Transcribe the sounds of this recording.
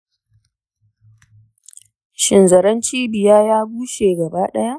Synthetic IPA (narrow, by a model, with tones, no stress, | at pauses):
ʃɪ˨nzɐ˨ɾɐ˦nt͡ʃiː˦bɪ˨jaː˦jaː˦ɡʷuː˦ʃeː˨ɡɐ˨baː˦ɗɐ˦ja˦ʔ